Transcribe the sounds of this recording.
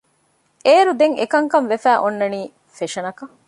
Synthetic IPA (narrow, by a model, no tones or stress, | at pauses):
eːɾud̪eŋḛkɐŋkɐnʋefæːʔonːɐniː | feʃɐnɐkɐ